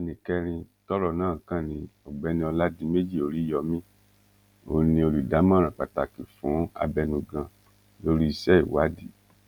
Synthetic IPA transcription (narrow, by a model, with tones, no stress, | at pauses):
nĩ˨kɛ˦ɾ̃ĩ˧ | tɔ˦ɾɔ˦˨nãː˦˨kã˦˨nĩ˧ɔ˨ɡ͡bɛ˨˦nĩ˧ɔ˧la˦di˧˦me˦d͡ʒi˦˨o˧ɾi˦jɔ˧mĩ˦ | o˦˨nĩ˧o˧lu˨da˨˦m˦ã˦˨ɾ̃ã˨k͡pa˨ta˨ki˨fũ˨˦a̰˧bɛ˧nũ˧˨ɡã˧ | lo˦ɾi˦i˨sɛ˦i˨wa˨˦di˦˨